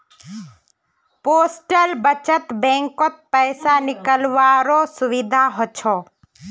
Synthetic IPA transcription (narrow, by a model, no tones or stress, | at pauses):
poːsʈəlbət͡ʃət̪bẽːŋkot̪̚pəɪsanɪkəlʋaːɾoːsʊʋɪd̪ʱaɦot͡ʃʰoː